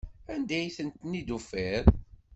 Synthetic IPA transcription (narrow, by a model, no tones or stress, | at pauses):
ænd̪æjθənt̪nid̪ufeɾ